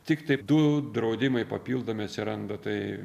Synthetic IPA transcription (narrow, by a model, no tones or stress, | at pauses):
t̪ʲɪkt̪ɐɪd̪ʊd̪ɾɐʊd̪ʲɪmɐɪpɐpʲiːlˠd̪oːmʲɪɐt̪ʲsʲɪɾɐnd̪ot̪ɐɪ